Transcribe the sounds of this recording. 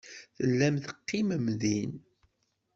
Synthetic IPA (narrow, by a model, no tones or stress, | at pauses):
θəlːæmθəqːiməmðin